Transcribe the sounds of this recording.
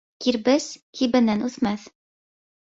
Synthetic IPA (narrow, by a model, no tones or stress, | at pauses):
kiɾbɘz̥kʰibɘ̆nænʉθmæθ